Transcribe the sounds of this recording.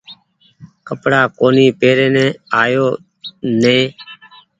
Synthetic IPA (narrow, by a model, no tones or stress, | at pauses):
kəpɽaːkoːniːpeːɾeːnɛ̃ːaːjoː | nẽː